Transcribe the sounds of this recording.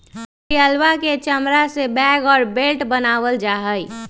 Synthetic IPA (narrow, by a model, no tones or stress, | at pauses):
iəlʋaket͡ʃəmɾasebɛːɡɔːɾbelʈbənaːʋəld͡ʒaːɦəi